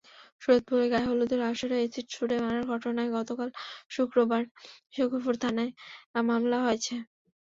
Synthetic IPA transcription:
ʃuɾot̪̚puɾeɡaɦolud̪eɾaʃoɾeet͡ɕiʈʃʰuɽemanaɾɡʱɔʈonaeɡɔt̪okalʃukɾobaɾʃukopuɾt̪ʰanaemamlaɦojet͡ɕʰe

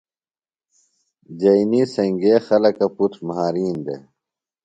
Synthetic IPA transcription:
d͡ʑɐiniːsɐŋɡeːxɐlɐkɐput̪ʰmɐɦaːɾiːnd̪ḛ

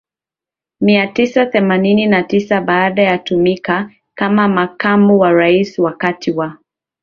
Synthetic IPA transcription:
miatisaθɛmanininatisaɓaːɗajatumika | kamamakamuwaɾaiswakatʰiwa

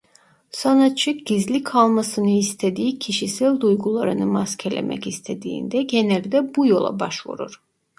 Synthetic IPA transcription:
sanat̪̚t͡ʃʰːɯk̚ɟ̥izlʲikʰalˠmasɯnɯist̪ʰed̪iːcʰiʃisælʲd̪ujɡulˠaɾɯnɯmascʰɛlʲḛmʔɛ̰cist̪ʰe̞d̪ḭːnd̪ɛɟenælʲd̪ɛbujo̞lˠa̰ba̰ʃvṵɾṵɾ̥

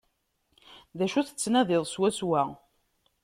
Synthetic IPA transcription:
ðæʃuθə̥t͡sːnæðɪðˤswæswæ

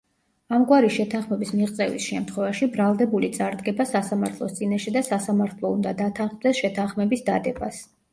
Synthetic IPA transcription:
amɡwaɾiʃɛt̪ʰanχmɛbismiʁt̪sʼɛvḭsʃɛmt̪ʰχwɛvaʃibɾalˠd̪ɛbulit̪sʼaɾd̪ɡɛbasasamaɾt̪ʰlˠɔ̰st̪sʼinaʃɛd̪asasamaɾt̪ʰlˠɔṵnd̪ad̪at̪ʰaχd̪ɛsʃɛt̪ʰanχmɛbisd̪a̰d̪ɛbas

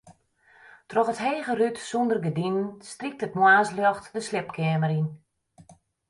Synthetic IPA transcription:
trɔxətɦeːɣərytsundərɡədinənstrik̚tət̚mwaːsljɔxtdəslɪp̚kʰɪəməɾin

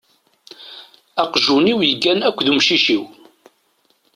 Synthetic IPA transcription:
æqʒuniwjəɡːænækʷːðumʃiʃiw

